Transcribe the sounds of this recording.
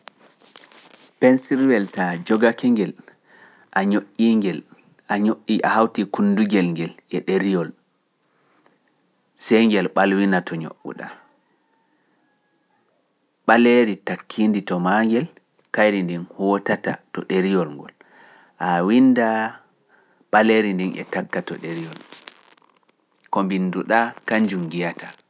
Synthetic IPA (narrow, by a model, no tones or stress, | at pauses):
pɛnsiɾwɛltad͡ʒɔɡakɛŋɡɛl | ʔaɲoʔiŋɡɛl | ʔaɲoʔːiʔa̰hawtikunduɡɛlŋɡɛlɛɗeɾijɔl | sɛjŋɡɛlɓalwinatʰɔɲo̰ʔṵɗa̰ | ɓaleɾitakʰːinditɔmaŋɡɛl | kajɾindɛnhɔːtatatɔɗeɾijɔlŋɡɔ̰l | ʔawinda | ɓaleɾindɛnɛ̰takːatɔ̰ɗeɾijɔl | kɔmbinduɗakaɲd͡ʒumɡijata